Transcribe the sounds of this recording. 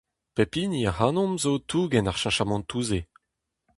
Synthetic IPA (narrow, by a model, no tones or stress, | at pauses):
pepiniahanɔ̃mzotʰuːɡɛnaʁʃãʃamɑ̃ntuːze